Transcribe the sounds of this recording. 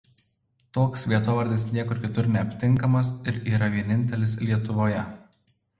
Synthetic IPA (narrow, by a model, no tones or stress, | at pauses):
t̪oːksʋʲiɛt̪oʋɐɾʲd̪ʲɪsnʲiɛkʊɾkʲɪt̪ʊɾnʲɛɐpʲt̪ʲɪŋkɐmɐs̬ɪɾiːɾɐʋʲiɛnʲɪnʲt̪ʲɛlʲɪslʲiɛt̪ʊʋoːjɛ